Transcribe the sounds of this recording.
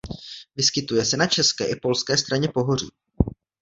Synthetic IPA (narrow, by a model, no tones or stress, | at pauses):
vɪskɪt̪ujɛsɛnat͡ʃɛskɛːʔɪpo̞lskɛːst̪ɾaɲɛpo̞ɦo̞rḭː